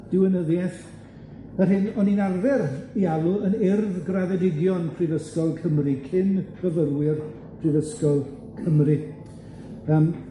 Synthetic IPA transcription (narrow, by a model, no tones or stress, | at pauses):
d̥ɪwənəðjɛθ | ərɦɪnɔninarvɛrialˠʊənɪrvɡraðɛdɪɡjɔnpʰriðəskɔlˠkʰəmrikʰɪnkʰrəvərwɪr | pʰrivəskɔlˠ | kʰəmrɨ | əːm